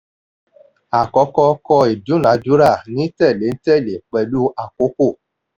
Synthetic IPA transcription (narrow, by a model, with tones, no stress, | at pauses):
a˨kɔ˧˦kɔ˧kɔ˧e˨du˨˦nã˨˦d͡ʒu˦ɾa˦˨nĩ˨˦tɛ˦˨le˨˦n̩˦tɛ˦˨le˨k͡pɛ˧lu˦a˨ko˨˦ko˦˨